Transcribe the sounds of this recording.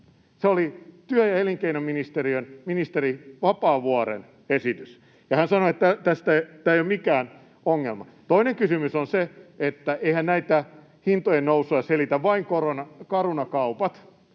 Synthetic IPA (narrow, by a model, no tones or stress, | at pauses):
seolit̪yæjɑeliŋkeinommːinist̪eriønminist̪eriʋɑpɑːʋuɑrḛn | esit̪ys | jɑhænsɑnoet̪ːæt̪æst̪æt̪æːejomikæːn | oŋːelmɑ̰ | t̪oineŋkysymysonseet̪ːæeihænnæit̪æ | hint̪ojennousuɑɑselit̪æʋʋɑiŋkoronɑkɑrunɑkɑupɑt̪